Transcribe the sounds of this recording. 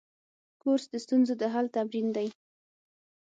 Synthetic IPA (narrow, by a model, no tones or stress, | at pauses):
koɾsd̪əst̪unzod̪əɦalt̪abɾind̪aj